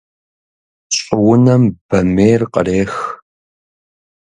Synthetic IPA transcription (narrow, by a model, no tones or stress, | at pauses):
ɕʼɪwʊnɐmb̥ɐmeːrqə̰reːx